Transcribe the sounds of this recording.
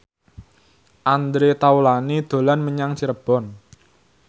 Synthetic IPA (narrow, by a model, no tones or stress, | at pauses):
ʔand̪ɾet̪aulanid̪̥o̤lanməɲaŋt͡ʃiɾəb̥ɔn